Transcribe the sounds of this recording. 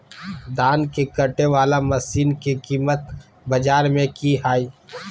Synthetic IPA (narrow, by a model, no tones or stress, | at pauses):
d̪aːnkekɐʈeʋaːlamɐsiːnkikiːmət̪̚ | bɐd͡ʒaːɾmẽkiɦaːiː